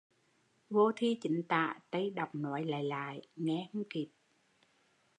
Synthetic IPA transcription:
vo˧t̪ʰi˧t͡ɕi˨˦ŋ̟t̪a̰ː˧˨t̪ə˧jɗa˨˩wk͡p̚nɔ˨˦jla̰ː˧˨jla̰ː˧˨jŋɛ˧hu˧ŋ͡mki˨˩p̚

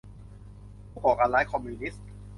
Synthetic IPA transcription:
uː˥˩kɔː˨˩kaː˧nlaː˦˥jkʰɔ˧mːuː˧ni˦˥s

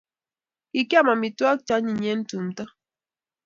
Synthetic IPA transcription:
i˨ki˦a˦˨ma˨mi˨twa˦k̚t͡ʃa˦ɲi˨ɲɛ˦n̩˦tu˨m̩˨ta˦

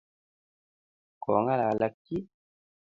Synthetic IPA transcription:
kɔ˨ŋa˦la˨la˨kːi˦

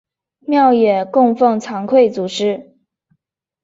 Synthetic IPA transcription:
mjɑ˥˩ʊjɛ˨˩kʊ˥˧ŋfɤ˥˩ŋt͡sʰɑ˧˥ŋkʰwe˥˩ɪt͡su˨˩ʈ͡ʂɻ̩˥

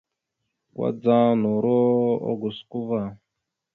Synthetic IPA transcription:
kwa̰˦d͡za˦nɔ˨ɾɔ˦ɔ̰˦ɡu˨sku˦va˨

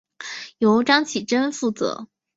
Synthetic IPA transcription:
jo˧˥ʊʈ͡ʂɑ˥ŋt͡ɕʰi˨˩ʈ͡ʂə˥nfu˥˩t͡sɤ̰˧˥

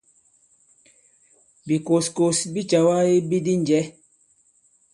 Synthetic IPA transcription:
bi˨ko˨sko˨sbi˦t͡ʃa˨wa˦i˦bi˦di˦n˨d͡ʒɛ˨˦

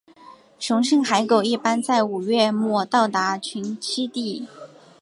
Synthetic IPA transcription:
ʈ͡ʂʰʊ˧˥ŋʂɤ˥˩ŋxa˧˥ɪko˨˩ʊi˥˩pa˥nt͡sa˥˩ɪu˨˩ɥɛ˥˧mwɔ˥˩t̪ɑ˥˩ʊt̪a˧˥t͡ɕʰy˧˥nt͡ɕʰi˥t̪i˥˩

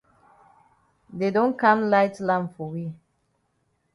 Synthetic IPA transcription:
dedõ˦nkã˦mlaɪtlã˨mfɔ˨wi˦

